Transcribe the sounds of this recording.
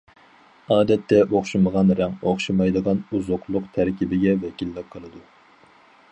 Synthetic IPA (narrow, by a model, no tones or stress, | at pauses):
ɑːd̪ɛt̪ʰːɛoχʃɨməʁɑnɾɛŋoχʃɨmɑjd̪əʁɑnuzoqlˠʊqt̪ʰæɾkʲibɪɡʲɛvɛkʲilːɪqʰːəlˠɨd̪u